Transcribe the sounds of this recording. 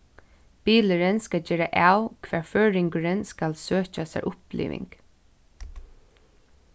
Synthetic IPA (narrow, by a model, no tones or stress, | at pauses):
piːləɾənskad͡ʒeːɾaʔaːwkʰʋæːɹføːɹɪŋkəɾənskalsøːt͡ʃasɛ̰ɹʔʊplḭːʋɪ̰ŋk